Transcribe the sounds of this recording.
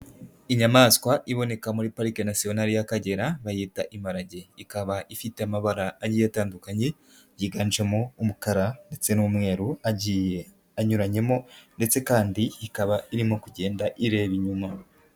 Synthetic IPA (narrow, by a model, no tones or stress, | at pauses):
iɲamaskwaʔiβo̞ne̞kamuɾipaɾikenasio̞naɾijakaɟe̞ɾaβajiːtaʔimaɾaɟe̞ikaβaʔifite̞amaβaɾaːɟijataːndukaɲe̞ | jiɡaːnd͡ʒemoumukaɾannde̞t͡se̞nuumŋe̞ːɾuaɟie | aɲuɾaɲe̞mo̞nde̞t͡se̞kaːndiikaβaiɾimokuɟe̞ːndaʔiɾe̞ːβiɲuma